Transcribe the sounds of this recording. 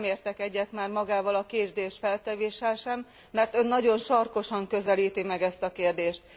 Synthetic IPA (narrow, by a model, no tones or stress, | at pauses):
meːrt̪ɛkɛɟːɛt̪maːrmɒɡaːvɒlɒkeːrd̪eːʃfɛlt̪ɛveːʃɛlʃɛmː | ɛrt̪ønːɒɟo̞nʃɒrko̞ʃɒŋkø̞zɛliːt̪imɛɡɛst̪ɒkeːrd̪eːʃt̪̚